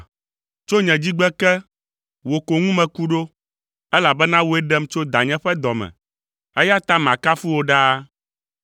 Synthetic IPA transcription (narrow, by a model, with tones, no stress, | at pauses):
t͡ʃo˦ɲɛ̃˨d͡ʑi˦ɡ͡bɛ˦kɛ˦ | wo˨ko˨ŋũ˦mɛ̃˨ku˦ɖo˦ | ɛ˦la˨bɛ˦nã˦wo˦ɛ˦ɖɛ˦mt͡ʃo˦d̪a˨ɲɛ̃˦ɸɛ˦d̪ɔ˨mɛ̰̃˨ | ɛ˦ja˦t̪a˦mã˨ka˦fu˦wo˨ɖa˦